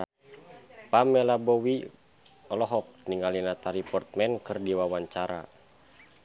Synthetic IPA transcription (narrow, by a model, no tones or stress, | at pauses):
pamːɛlabɔwi | ɔlɔɦɔk̚niŋɡalinat̪aɾipɔrt̪̚mɛnkɨrdiwawaɲt͡ʃaɾa̰